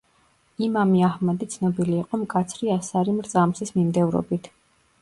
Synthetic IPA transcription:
imamiahmɛd̪it̪sʰnɔbiliːqʼɔmkʼat̪sʰɾiasaɾimɾt̪sʼamsismimd̪ɛvɾɔ̰bit̪ʰ

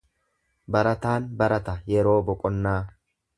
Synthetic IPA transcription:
bɐɾɐt̪aːnbɐɾɐt̪ɐjɛɾo̞ːbɔkʼɔnːaː

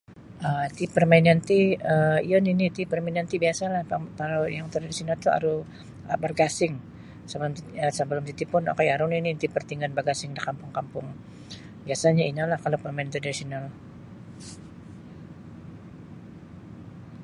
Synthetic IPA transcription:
ʔət̪ipərmaɪnant̪iəijɔninit̪ipərmainant̪ibiasalahakalojaŋt̪ɾadisionalt̪ua̰ɾu | bərɡasɪŋ | səbəlʊmt̪iəsəbəlʊmt̪it̪ipʊno̰kajaɾʊninint̪ipərt̪iŋanbarɡasɪŋdikampʊŋkampʊŋ | biasaɲainalahkalawpərmaɪnt̪iɾadisional

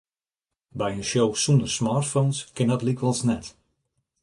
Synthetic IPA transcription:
bɛjənʃjowsundərsmaːtfownskɪndɔtlikʋɔlˠsnɛt

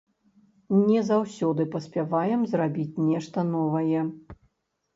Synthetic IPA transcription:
nʲɛzawsʲɔd̪ɨpɐsʲpʲɛvajɛmzrabʲit͡sʲnʲɛʂt̪ɐnɔvɐjɛ

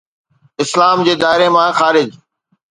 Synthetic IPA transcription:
ɪslaːmd͡ʑeːd̪aːɪɾemãːxaːɾɪd͡ʑ

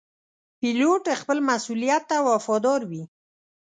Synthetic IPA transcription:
piloʈexpəlmasulijat̪ːawafɔd̪ɔɾwi

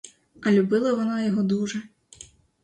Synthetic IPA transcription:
ɐlʲubɪlˠɐʋɔnɑjɔɦɔd̪uʒɛ

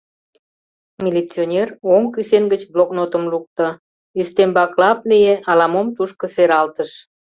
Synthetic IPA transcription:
mʲilʲit͡sionʲeroŋkysenɡət͡ɕbloknot̪əmluk̚t̪ə | yʃt̪embɑklɑp̚nijeʔɑlɑmomt̪uʃkə̆seɾɑlt̪əʃ

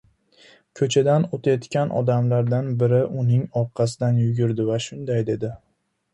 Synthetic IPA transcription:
kʰɵt͡ʃʰad̪anot̪ʰajɒt̪kʲanʔɒ̰d̪amlaɾd̪anbɪɾɪʔʊnɪŋɒqʰːɑsɪd̪anjʊɡʲɪɾd̪ɪvaʃʊnd̪ajd̪e̞d̪ɪ

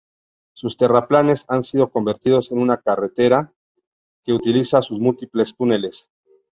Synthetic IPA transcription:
sust̪e̞raplane̞sansiðo̞ko̞mbe̞ɾt̪ið̞o̞se̞nunakare̞t̪e̞ɾa | ke̞ut̪ilisasuzmult̪iplest̪unele̞s

